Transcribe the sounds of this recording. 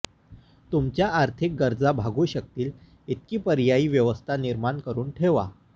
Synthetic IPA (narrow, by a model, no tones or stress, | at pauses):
t̪umt͡ɕjaːɾt̪ʰik̚ɡəɾd͡zabʱaɡuːɕək̚t̪iːl | it̪̚kiːpəɾjaiːʋjəʋəst̪ʰaniɾmaɳkəɾuːnʈʰeʋa̰